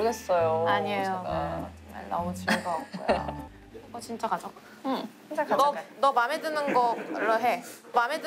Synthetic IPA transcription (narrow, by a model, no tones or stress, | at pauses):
ɡes͈ʌjoaɲiejo̰t͡ɕeŋma̰ɭnʌ̰mut͡ɕʰiɡʌok̚k͈o̰j̰ | ʌt͡ɕint͡ɕ͈akad͡ʑo | ɯ | ŋd͡ʑakanʌnʌmamedɯnɯnɡʌɭːoɦe | mamed